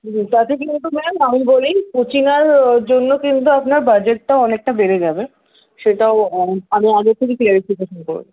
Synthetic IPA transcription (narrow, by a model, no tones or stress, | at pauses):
t̪at̪ek̬int̪umelenamibolikʰot͡ɕinaɾd͡ʑonːokint̪̬uapnaɾbad͡ʑeʈːaoɔnek̚ʈabeɾed͡ʑabe | ʃeʈaoamiaɡeɾt̪ʰekiklɛɾifikeʃonko̰ɾbḛ